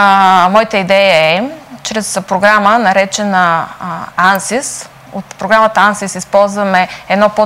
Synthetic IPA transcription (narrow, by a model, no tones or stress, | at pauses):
mɔjit̪əid̪ɛjəɛt͡ʃɾɛspɾoɡɾamənɐɾɛt͡ʃɛnə | ansis | ot̪pɾoɡɾamət̪əansisispɔlˠzvɐmɛɛd̪nɔpo